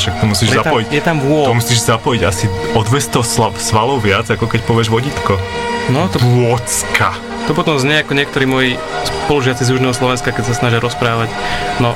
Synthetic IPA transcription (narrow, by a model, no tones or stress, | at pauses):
ʃak̚t̪ɔmusiːʒɛzaɔjicjɛt̪amɔt̪ɔmusiːʒzapɔjiɟasiɔd̪ʋɛst̪ɔʊsasʋalɔʊʋɪad͡zakɔkɛcpɔʋɪɛʒʋɔɟit̪kɔnɔt̪ɔpʊɔt͡skʰa | t̪ɔpɔt̪ɔmzɲɛakɔɲɪɛk̚t̪ɔɾiːmɔji | spɔluʒɪat͡sizjuʒnɛːɦɔslɔʋɛnskakɛcsasnaʒɪaɾɔspɾaːʋacnɔ